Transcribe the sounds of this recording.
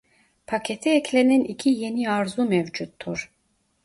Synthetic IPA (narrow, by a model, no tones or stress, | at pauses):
pʰacʰet̪ʰɛɛcʰleninicʰijeniaɾzumɛvd͡ʒut̪ʰːuɾ̥